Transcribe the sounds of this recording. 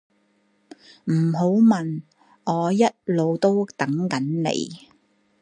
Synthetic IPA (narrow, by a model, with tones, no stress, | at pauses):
m̩˨˩ɦo˨˥wmɐ˨˩n | ʔɔː˨˧jɐ˥t̚lo˨˧wt̪o˥wt̪ɐ˨˥ŋkɐ˨˥nnḛ˨˧j